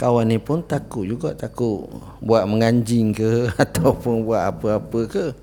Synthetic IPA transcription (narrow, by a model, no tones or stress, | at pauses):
kawanːipʊnt̪akuʔd͡ʒuɡa̰ʔt̪akuʔ | buaʔməŋaɲd͡ʒɪŋkəat̪awpʊnbuaʔapəapəkə